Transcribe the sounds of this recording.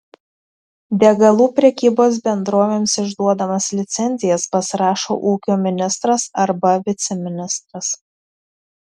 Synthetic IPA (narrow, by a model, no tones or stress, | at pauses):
d̪ʲɛɡɐlˠuːpʲɾʲɛkʲiːboːs̬bʲɛnd̪ɾoːʋʲeːmsɪʒd̪uɔd̪ɐmɐslʲɪt̪sʲɛnʲzʲɪjɛspɐsʲɪɾɑːʃo̰ːʔuːkʲoːmʲɪnʲɪst̪ɾɐsɐɾbɐʋʲɪt̪sʲɛmʲɪnʲɪst̪ɾɐs